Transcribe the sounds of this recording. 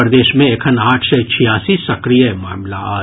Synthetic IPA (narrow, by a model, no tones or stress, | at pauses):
ɾd̪eːʃmẽeːkʰɐnaːʈʰsɛt͡ʃʰijaːsisɐkɾijəɛmaːmlaaː